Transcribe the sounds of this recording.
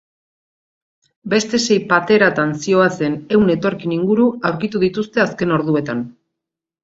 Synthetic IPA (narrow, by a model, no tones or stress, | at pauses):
be̞st̪e̞se̞jpat̪e̞ɾat̪ansio̞at͡se̞ne̞wne̞t̪o̞ɾkiniŋɡuɾuawɾkit̪uð̞it̪ust̪e̞aske̞no̞ɾðue̞t̪an